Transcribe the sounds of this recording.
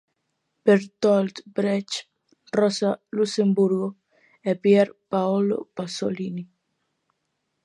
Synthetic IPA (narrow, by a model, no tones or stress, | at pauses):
beɾt̪ɔld̪bɾɛt͡ʃ | rɔsalusembuɾɡo | ɛpjɛɾpaolo̰pasolini